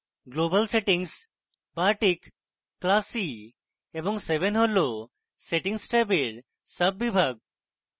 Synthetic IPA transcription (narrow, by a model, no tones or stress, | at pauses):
ɡlobəlseʈiŋs | baʈikː | lasi | eboŋsebenɦolo | seʈiŋsʈajbeɾ | səbːibʱaɡ̚